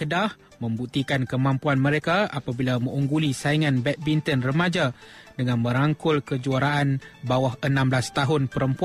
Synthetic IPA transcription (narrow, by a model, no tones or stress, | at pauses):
ədah | mə̃mbut̪ikankəmãmpuanmə̃ɾekaapabilamə̃uŋɡulisaiŋãnbɛt̪̚bint̪ənrəmãd͡ʒadəŋãnmə̃ɾaŋkʊlkəd͡ʒuaɾaʔanbawahənãmblast̪aɦʊnpəɾəmpua